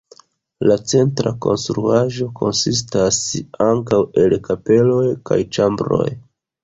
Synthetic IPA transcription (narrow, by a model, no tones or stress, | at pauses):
lat͡se̞ntɾako̞̰nstɾuaʒo̞kʰo̞nsis̬tasaŋkawe̞lkape̞lojka̰jt͡ʃambɾo̞̰j